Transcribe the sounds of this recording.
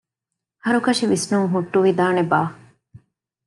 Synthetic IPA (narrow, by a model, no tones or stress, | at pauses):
hɐɾukɐʂiʋisnuŋɦuʈːuʋid̪aːnebaː